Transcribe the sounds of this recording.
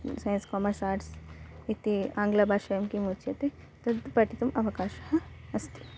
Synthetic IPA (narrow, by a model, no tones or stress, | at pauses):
sɐj̃nskɔːmɐɾsaːʈsit̪iãːŋɡlabʱaːʃɐjɐmkimut͡ʃɐt̪e | t̪ɐd̪pɐʈit̪umɐʋɐkaːʃɦɐɐst̪i̥